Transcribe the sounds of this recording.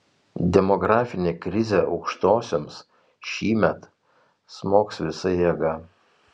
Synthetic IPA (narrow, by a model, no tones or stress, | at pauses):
d̪ʲɛmɔɡɾɑːfʲɪnʲekɾʲɪzʲeːʔɒʊkʃt̪oːsʲoms | ʃʲiːmʲɛt̪ | smoːksʋʲɪsɐjeːɡɐ